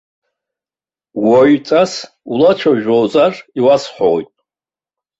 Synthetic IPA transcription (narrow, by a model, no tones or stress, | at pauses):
woɥt͡sʼas | ulat͡ʃʷʰaʒᶣowzariwasħʷo̰jtʼ